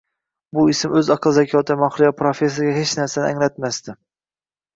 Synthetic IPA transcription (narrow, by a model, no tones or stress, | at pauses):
buisɪmɵzɑqʰɨlˠzɛkʲʰɒt̪ʰɪmɑχɾɪjɒpʰɾofes̬ɾɡʲɛhet͡ʃnæɾsanɪæŋlɛt̪mæst̪ɪ